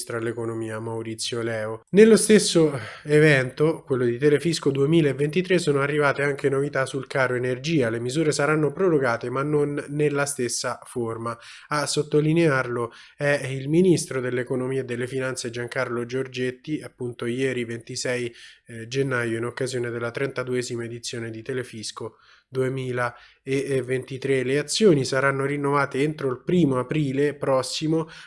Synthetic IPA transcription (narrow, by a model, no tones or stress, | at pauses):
st̪ɾoalːekonomiːamawɾit̪sːjolɛːonelːost̪esːoevɛnt̪okwelːod̪it̪elefiskod̪uemiːlaevːent̪it̪ɾesːoːnoarːivaːt̪eaŋkenovit̪asulkaːɾoenerd͡ʒiːalemizuːɾesaɾanːopɾoɾoɡaːt̪emanːonːelːast̪esːaformaː | sːot̪ːolinearlo | ɛilminist̪ɾod̪elːekonomiːeed̪ːelːefinant̪sed͡ʒaŋkarlod͡ʒord͡ʒet̪ːiapːunt̪ojɛːɾivent̪isɛjd͡ʒenːaːjoinokːazjoːned̪elːat̪ɾɛnt̪ad̪uɛːzimaed̪it̪sːjoːned̪it̪elefisko | d̪uemiːla | evːent̪it̪ɾeleat̪sːjoːnisaɾanːoɾinːovaːt̪eent̪ɾoilpɾiːmoapɾiːlepɾɔsːimo